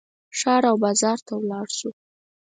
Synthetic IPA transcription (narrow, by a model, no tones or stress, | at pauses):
ʂɑɾawbɑzɑɾt̪awlɑɽʃu